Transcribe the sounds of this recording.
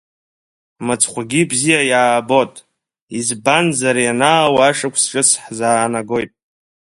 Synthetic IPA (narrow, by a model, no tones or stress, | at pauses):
mat͡sʰχʷaɡʲibzijajaːbo̞tʼ | izbanzaɾjanaːwaaʂakʷʰsʈ͡ʂʼɨsʰħzaːnaɡo̞jtʼ